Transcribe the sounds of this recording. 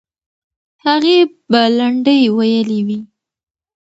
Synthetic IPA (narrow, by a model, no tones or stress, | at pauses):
haɣe | balaɳɖəjwajəliwi